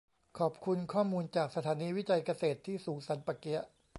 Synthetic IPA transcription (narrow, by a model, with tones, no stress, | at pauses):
kʰɔː˨˩p̚kʰu˧nkʰɔː˥˩muː˧nt͡ɕaː˨˩k̚sa˧t̪ʰaː˩˦niː˧wi˦˥t͡ɕa˧jka˧seː˨˩t̪ʰːiː˥˩suː˩˦ŋsa˩˦npa˨˧˩ki˦˥ɐʔ